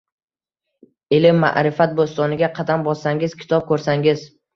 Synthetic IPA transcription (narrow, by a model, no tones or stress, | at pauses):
elɪmːa̰ʔɾɪfat̪̚bost̪ɒnɪɡʲaqʰɑd̪ambɒsaŋɪz̥kʲʰɪ̥t̪ʰɒp̚kʰɵɾsaŋɪz